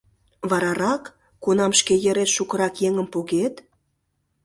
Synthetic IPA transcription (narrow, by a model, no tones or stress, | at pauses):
βɑɾɑɾɑkː | unɑmʃkejə̆ɾet̪ʃukɤ̆ɾɑkjeŋəmpoɣet̪